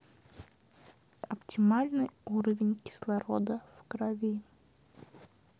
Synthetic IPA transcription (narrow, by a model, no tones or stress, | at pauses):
ɐptʲɪmalʲnɨjuɾəvʲɪnʲkʲɪ̥slˠɐɾod̪əfkɾɐvʲi